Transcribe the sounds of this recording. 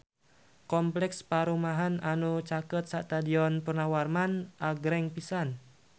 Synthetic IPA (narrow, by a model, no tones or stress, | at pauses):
kɔmplɛkspaɾumaɦananut͡ʃakət̪̚saʔt̪adiɔnpərnawarmanʔaɡɾɛŋpisan